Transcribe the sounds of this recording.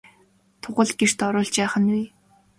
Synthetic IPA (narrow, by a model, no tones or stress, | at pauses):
t̪ʰʊʁə̆ɮɡer̥t̪ɔɾʊːɮt͡ɕæːχə̆nwiː